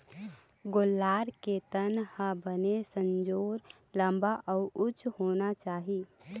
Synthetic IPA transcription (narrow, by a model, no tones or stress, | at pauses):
ɡolːaːɾket̪ənhəbənesə̃nd͡ʒoːɾ | lə̃mbaʔɔːʔʊt͡ʃhoːnat͡ʃaːɦi